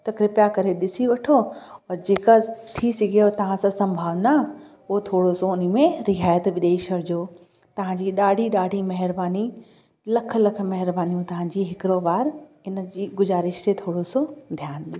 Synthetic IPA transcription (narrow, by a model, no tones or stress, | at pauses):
t̪ɐkɾɪpjakɐɾeɗɪsiʋɐʈʰoɔːɾd͡ʑeːkat̪ʰisɐɡʱijot̪ɐʋ̤ãsãsɐ̃mbʱaːʋna | ʊɦot̪ʰoːɽosoʊnmẽɾɪɦaːjət̪ʋɪɗ̪eːʃəɾd͡ʑoː | t̪ɐʋ̤ãɲd͡ʑiːɗaːɖʱiɗaːɖʱimɐɦɪɾbaːni | lɐkʰlɐk̆ʰmɐɦɪɾbaːnijũt̪ɐʋ̤ãd͡ʑiːɦɪkɪɾoʋaːɾ | ɪnəd͡ʑiːɡʊzaːɾɪʃt̪et̪ʰoːɽosod̪ʱjaːnɗijo